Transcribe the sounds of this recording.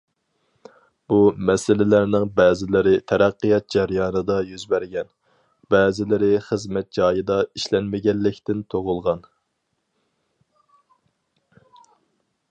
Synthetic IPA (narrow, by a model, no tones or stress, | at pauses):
b̥umɛsɪlɪlæɾnɪŋbɛːzɪlɪɾɪt̪ʰɛɾæqːɨjɑt̪̚d͡ʒɛɾjɑːnɨd̪ɑjyzbæɾɡʲɛn | bɛːzɪlɪɾɪχəzmɛt̪̚d͡ʒɑːjɨd̪ɑiʃlɛnmɪɡʲɛnːɪkʲt̪ɪnt̪ʰoʁʊlˠʁɑn